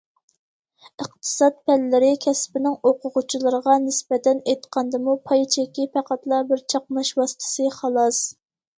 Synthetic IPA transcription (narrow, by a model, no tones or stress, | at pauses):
əqt̪ʰɨ̥sɑt̪̚pʰɛlːɪɾɪkʲʰɛspɪnɪŋoqʊʁʊt͡ʃʰilˠəɾəʁɑnɪsbɛt̪ɛnejt̪qʰɑnd̪ɨmupʰɑjt͡ʃʰɛkʲːipʰæqæt̪lˠɑbɪɾt͡ʃʰɑq̚mɑʃwɑsɨ̥t̪ʰɨ̥sɨχɑlˠɑs